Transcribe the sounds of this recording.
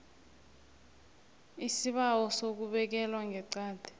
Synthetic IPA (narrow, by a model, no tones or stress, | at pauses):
isiɓawɔsok̬uɓɛk̬ɛlwaŋʱɛǀaːd̥ʱɛ̥